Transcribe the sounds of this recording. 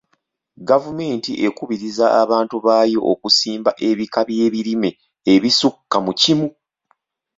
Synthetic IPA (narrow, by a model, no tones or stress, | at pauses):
ɡavume̞ːntiʔe̞kuβiɾizaːβaːntuβaːjo̞ʔokusiːmbaʔe̞βikaβje̞ːβiɾime̞ː | βisukːamucimu